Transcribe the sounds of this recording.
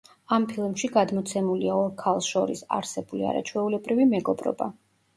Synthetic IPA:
ampʰilˠmʃiɡad̪mɔt̪sʰɛmuliaɔɾkʰalˠsʃɔɾḭsa̰ɾsɛbulia̰ɾa̰t͡ʃʰwɛulɛbɾivimɛɡɔbɾɔ̰ba

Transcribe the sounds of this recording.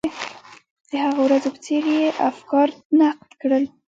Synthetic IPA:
d̪̥əhaɣawɾazopə̥t͡seɾjeʔafkɑɾnaq̚t̪kɽəl

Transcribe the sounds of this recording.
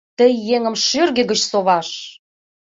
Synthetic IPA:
t̪əjːeŋə̆mʃørɣĕɣə̆t͡ɕsoβɑʃ

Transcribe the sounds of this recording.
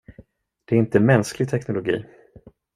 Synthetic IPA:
d̪̥ɛæɾɪnt̪əmɛnsklɪɡ̚t̪ʰɛknʊlʊɡḭː

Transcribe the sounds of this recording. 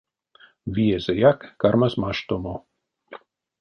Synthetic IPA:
viezejakːarmazmaʃt̪omo

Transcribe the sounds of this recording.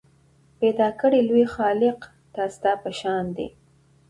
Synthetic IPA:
ped̪ɑkəɽelwexɑlɪq | t̪ɑst̪ɑpəʃɑnd̪ḛ

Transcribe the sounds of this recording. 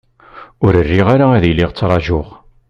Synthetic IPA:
ʊɾərːiʁaɾaæðjlːɪʁt͡sːɾˤɑʒʊʁ

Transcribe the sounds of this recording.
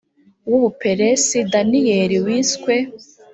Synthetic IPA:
wuβupe̞ɾesidanijeɾiwiːskwe

